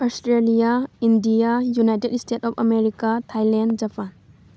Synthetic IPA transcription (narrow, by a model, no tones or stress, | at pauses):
ɔstɾelijaindijajunajtedstʰetɔpʰɐmeɾikatʰajlend͡ʒapʰan